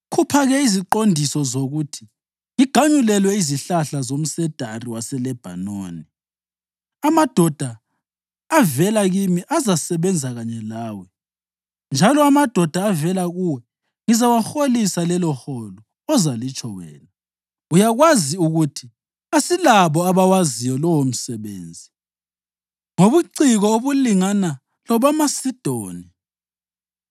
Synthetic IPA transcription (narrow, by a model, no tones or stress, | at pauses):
kʰupʰaɣɛiziǃondʱisɔzoɣutʰi̥ | ŋiɡ̥ʱaɲulɛlwɛiziɬaɬazom̩sɛd̥ʱariwasɛlɛb̥ʱa̰no̰ːni | amad̥ʱɔd̥ʱaː | vɛlaɣimiʔazasɛβɛnd͡zʱaɣaɲɛlaːwɛ | nd͡ʒʱalɔamad̥ʱɔd̥ʱaːvɛlaɣuwɛ | ŋizawaxolisalɛlɔxɔlɔ | ɔzalit͡ʃʼɔwɛ̰ːna | ujaɣwaziuɣutʰi | asilaβɔaβawazijɔlɔwom̩sɛβḛːnd͡zʱi | ŋoβuǀiɣɔoβuliŋana | lɔβamasid̥ʱoːni